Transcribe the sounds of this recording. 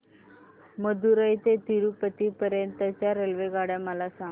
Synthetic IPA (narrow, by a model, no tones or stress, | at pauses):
məd̪uɾəjt̪et̪iɾupət̪iːpəɾjənt̪ət͡ɕjaɾelʋeɡaɽjaməlasaŋ